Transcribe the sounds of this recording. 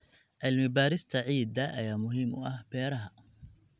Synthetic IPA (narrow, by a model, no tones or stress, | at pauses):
ʕɪlmɪbaːɾɪst̪ʰaʕiːd̪aʔɐjaːmʊɦɪmʊ̰ʔahbɛːɾɐɦa